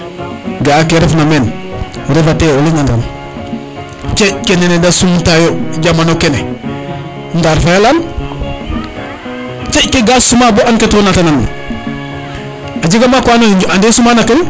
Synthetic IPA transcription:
ɡakeɾefnamen | ɾefateoliŋada̰n | t͡ʃekenenedasumtajoɟamanokene | ndaɾfajalan | t͡ʃekeɡasumaboʔanketuonatananːa̰ | ad͡ʒiɡamakwanoid͡ʒandesumaːnaken

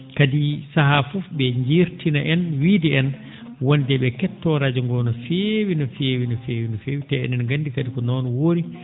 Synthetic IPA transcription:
kadisaɦafɔfɓɛɲd͡ʒiɾtinaʔɛnwidɛɛn | wondɛɓɛkɛtːɔɾaːd͡ʒɔŋɡɔnɔfewinɔfeːwinɔfeːwinɔfeːwitɛɛ̰nɛnɡanːdikadikɔnɔːnɔwoɾi

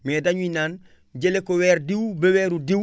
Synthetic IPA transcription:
medaɲuinaːn | ɟelekoweːɾdiwbeweɾudi

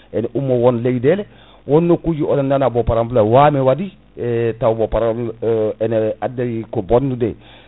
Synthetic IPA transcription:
ɛnʔumːowonlejdele | wonːokud͡ʒiolenanabopaɾambulawamewadi | tawbopaɾamɛnadejikobondudḛ

